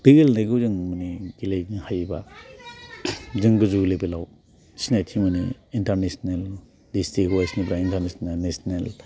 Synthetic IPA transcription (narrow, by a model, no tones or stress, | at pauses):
b̥iɡilnajɡuzɯŋmuniɡilejihajba | zɯŋɡɯzuɡlebelaw | sinajtʰimuniːntaɾnesnel | distɾikuasnibɾaintaɾnesnenesnel